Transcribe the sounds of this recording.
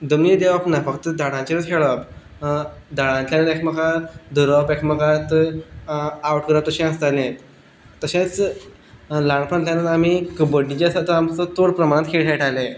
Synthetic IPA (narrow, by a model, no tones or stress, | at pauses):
d̪əmnid̪eʋapnafəkt̪əd̪aɽ̃ãt͡ɕeɾət͡skʰeɭəp | d̪aɽãɲtanəɾekməkad̪uɾəpekməkat̪ | awʈkəɾat̪əɕiãst̪anet̪ | t̪əɕat͡s | lãɳpʰə̃ɳljanːad̪amikəbəɽit͡ɕasat̪ʰəamt͡sɔt̪oɽpɾəmanət̪kʰeɭʈʰeʈale